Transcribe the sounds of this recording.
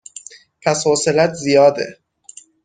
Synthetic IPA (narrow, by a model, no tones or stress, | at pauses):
pʰæshoselæt̪ʰzijɒːd̪ḛ